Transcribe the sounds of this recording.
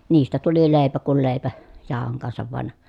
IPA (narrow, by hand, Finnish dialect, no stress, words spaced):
niːstæ tuli leˑi̯pæ kul leˑi̯pæ jɑˑohoŋ kɑnsɑʋ ʋɑn